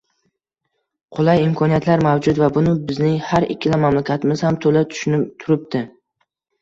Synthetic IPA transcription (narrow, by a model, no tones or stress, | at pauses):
qʰʊlˠajɪmkʰɒnijat̪laɾmawd͡ʒʊt̪vabʊnɪbɪznɪhaɾɪ̰kʲʰːɪlamamlakʲʰat̪ɪmɪz̥hamt̪ʰolat̪ʰʊʃt̪ʰʊɾɪp̚d̪ɪ